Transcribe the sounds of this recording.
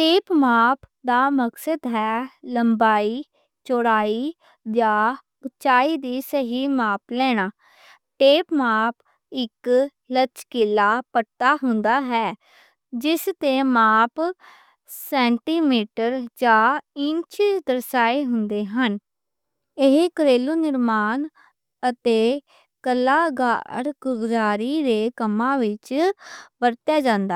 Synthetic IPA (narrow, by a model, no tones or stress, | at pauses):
ʈeːpmaːpʰd̪aːməksəd̪ɦɛːləmbaːiː | t͡ʃoːɽaːiː | d͡ʒaː | bət͡ʃaːiːd̪iːsəɦiːmaːplɛːɽ̃aː | ʈeːpmaːp | ɪk | lət͡ʃkɪlːaːpəʈ̚t̪aːɦʊnd̪aːɦɛː | d͡ʒɪst̪eːmaːp | sɛːɳʈiːmiːʈəɾd͡ʒaːɪɲt͡ʃd̪əɾsaːeːɦʊnd̪eːɦən | ɪɦekəɾeːluːnɪɾmaːn | ət̪eː | kəlːaːɡaɽkʊbd͡ʒaːɾiːɾeːkəmːãːʋɪt͡ʃ | bəɾt̪jaːd͡ʒãːnd̪a